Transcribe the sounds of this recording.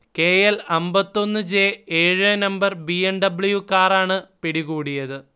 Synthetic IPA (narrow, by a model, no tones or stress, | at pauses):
keːjelɐmbɐt̪ːo̞nːɨd͡ʑe̞ːeːɻɨnɐmbɐrbiɐnɖɐbɭujukaːraːɳɨpiɽiɣuːɽijɐðɨ